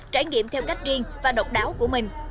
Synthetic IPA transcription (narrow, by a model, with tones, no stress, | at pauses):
t͡ɕaː˧˩jŋḭ˧˨əmt̪ʰɛ˧wka˦˥jk̚zi˧əŋvaː˨˩ɗə˨˩wk͡p̚ɗaː˨˦wku˧˩əmï˨˩ŋ̟